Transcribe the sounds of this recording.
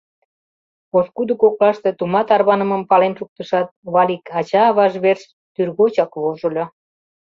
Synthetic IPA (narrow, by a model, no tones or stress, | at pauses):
oskud̪əkoklɑʃt̪et̪umɑt̪ɑrβɑnəməmpɑlenʃuk̚t̪əʃɑt̪̚βɑlʲikɑt͡ɕɑːβɑʒβers | t̪yrɣot͡ɕɑkβoʒəlʲo